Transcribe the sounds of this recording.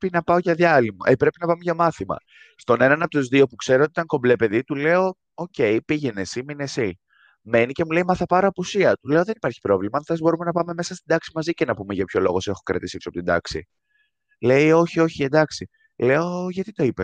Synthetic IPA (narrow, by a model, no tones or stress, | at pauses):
pinɐpɐoʝɐðiɐlimɐ̰ʔepɾe̞pinɐpɐme̞ʝɐmɐθimɐ̰ | st̪o̞ne̞nɐnɐpot̪ozðio̞pukse̞ɾot̪it̪ɐŋko̞mblepe̞ðit̪ule̞o̞ | oce̞ipiʝe̞ne̞simine̞si | me̞nice̞mulejmɐθɐpɐɾoɐpusiɐt̪ule̞o̞ðe̞nipɐɾçi̥pɾo̞vlimɐːnθezbo̞ɾume̞nɐpɐme̞me̞sɐst̪ind̪ɐksimɐzicenɐpume̞ʝɐpço̞lo̞ɣo̞se̞xokɾɐ̰t̪isiksoɐpot̪ind̪ɐ̰ksḭ | le̞io̞çio̞çie̞nd̪ɐksi | le̞o̞ʝɐt̪it̪o̞ipes